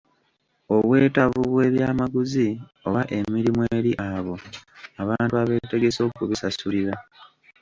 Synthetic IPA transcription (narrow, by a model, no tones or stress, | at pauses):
o̞βwe̞ːtavuβwe̞ːβjaːmaɡuzio̞βaʔe̞miɾimweːɾiʔaβo̞aβaːntuaβe̞ːte̞ɡe̞so̞ːkuβisasuliɾa